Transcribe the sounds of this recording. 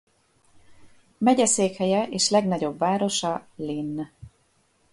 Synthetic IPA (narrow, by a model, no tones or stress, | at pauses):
mɛɟɛseːkhɛjɛʔeːʃlɛɡnɒɟo̞bvaːɾo̞ʃɒlinː